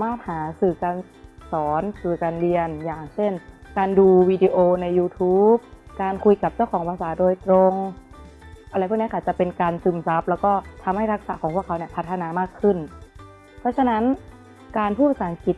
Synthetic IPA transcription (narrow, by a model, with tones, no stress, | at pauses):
maː˥˩t̪̚haː˩˦sɯː˨˩kaː˧n | sɔː˩˦nsɯː˨˩kaː˧nli˧ənjaː˨˩ŋt͡ɕe˥˩nkaː˧nduː˧wiː˧di˧ʔoː˧na˧jːuː˧t̪ʰuː˦˥p̚kaː˧nkʰu˧jka˨˩p̚t͡ɕa˥˩wkʰɔː˩˦pʰaː˧saː˩˦doː˧jt̪ɾo˧ŋ | ʔa˧ɾa˧jp̚ʰːn˧˥˦ka˧˩t͡ɕa˧˩pe˧nkaː˧nsɯ˨˧˩msa˦˥p̚lɛː˦˥wkɔː˥˩t̪ʰa˧mha˥˩jɾa˦˥k̚saː˩˦kʰɔː˩˦ŋpʰu˥˩əkʰa˧˦wni˧˩pʰa˧˦t̪ʰːa˧naː˧maː˥˩kʰːɯ˥˩n | pʰɔ˦˥t͡ɕʰa˧na˦˥n | kaː˧npʰuː˥˩pa˧saː˨˦ŋki˨˩t̪̚